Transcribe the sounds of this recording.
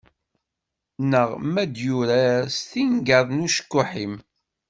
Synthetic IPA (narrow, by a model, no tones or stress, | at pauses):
nəʁmæd̪juɾæst̪iŋɡəðˤnuʃə̥kːʊħim